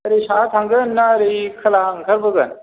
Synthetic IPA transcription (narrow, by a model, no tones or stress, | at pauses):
ɐɾiɕaːt̪ʰãŋɡənːaɾikʰəlaŋkʰəɾbəɡən